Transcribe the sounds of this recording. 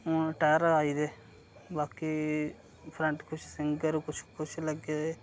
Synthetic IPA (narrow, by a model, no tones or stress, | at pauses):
õːʈɛːɾaːiːd̪eː | baːkiː | pʰɾə̃ɳʈkʊt͡ʃʰsɪŋɡəɾkʊt͡ʃʰkʊt͡ʃʰləɡeːe